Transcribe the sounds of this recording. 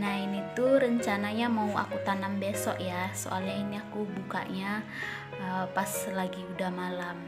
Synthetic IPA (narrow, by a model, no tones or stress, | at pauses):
nainit̪uɾəɲt͡ʃanaɲamaua̰kut̪anambesɔʔjaso̰ʔa̰lɲainiakubuka̰ʔɲa | əpaslaɡiudahmalam